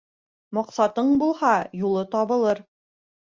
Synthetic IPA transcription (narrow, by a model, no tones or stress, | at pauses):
mɑqsɑt̪ɤɴbulˠhɑjulˠɤt̪ɑβɤ̆lˠɤɾ